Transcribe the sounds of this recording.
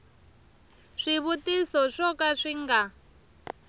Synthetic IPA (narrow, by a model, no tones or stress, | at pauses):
ʂiβutisɔʂɔkaʂiŋɡa